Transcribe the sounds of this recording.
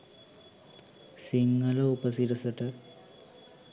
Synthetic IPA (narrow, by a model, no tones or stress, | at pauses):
siŋɡɐlɐupɐsiɾɐsɐʈɐ